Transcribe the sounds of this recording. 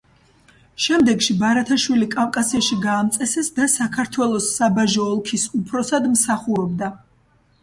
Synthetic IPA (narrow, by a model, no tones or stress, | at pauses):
ʃɛmd̪ɛɡʃibaɾat̪ʰaʃwilikʼamkʼasɛʃiɡaːmt̪sʼɛsɛsd̪asakʰaɾt̪ʰwɛlˠɔsːabaʒɔːlˠkʰisupʰɾɔsad̪msaχuɾɔb̚d̪a